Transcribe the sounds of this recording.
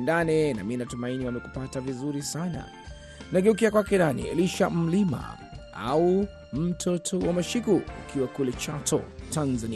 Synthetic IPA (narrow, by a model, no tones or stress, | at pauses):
ndanɛna̰minatumainiwamiku̥patavizuɾisana̰ | naɡɛuk̬iakwakɛnanḭliʃa̰m̩lima̰ | a̰u | m̩tʰɔtʰɔwamaʃikṵːkʰiwakulɛt͡ʃatʰɔ̰tʰanzani